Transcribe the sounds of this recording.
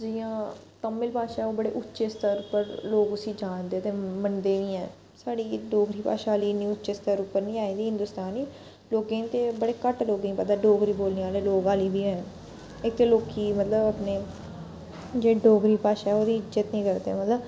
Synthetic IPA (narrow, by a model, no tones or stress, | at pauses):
d͡ʒiːãːt̪əmɪlpaːʃaːɛoːbəɽḛːʔʊtːʃeːst̪əɾʊpːəɾloːɡʊsiːd͡ʒaːnd̪eːt̪eːmənd̪eːʋĩːɛ̃ː | saːɽiːɖoːɡɾiːpa̰ːʃaːliːnĩːʊtːʃeːst̪əɾʊpːəɾnĩːaːĩːd̪iːɦɪ̃nd̪ʊst̪aːniː | loːkẽːt̪eːbəɽeːkəʈloːɡẽːpəd̪aːɖoːɡɾiːboːlneːaːleːloːɡaːliːbʱiːɛ̃ | ɪk̚t̪eːloːkiːmət̪ləbəpneː | d͡ʒeːɖoːɡɾiːpaːʃaːɛoːd̪iːɪd͡ʒd͡ʒət̪nĩːkəɾd̪eɛ̰mət̪ləb